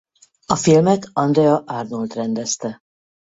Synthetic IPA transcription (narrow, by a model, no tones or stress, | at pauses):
ɒfilmɛt̪ɒnd̪rɛɒʔarnult̪rɛnd̪ɛst̪ɛ